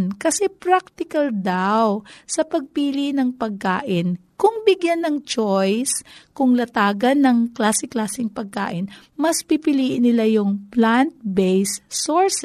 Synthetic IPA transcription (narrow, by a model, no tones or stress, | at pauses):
nkɐsɛpɾak̚t̪ɪkɐld̪awsɐpɐɡ̚piːlinɐŋpɐɡ̚ka̰ːʔɪnkʊŋbɪɡjanːɐŋt͡ʃojskʊŋlɐt̪aːɡɐnːɐŋklaːsɪklaːsɪŋpɐɡ̚ka̰ːʔɪnmɐspipɪliːʔɪnːɪlajʊŋplant̪̚bɛjsːoɹs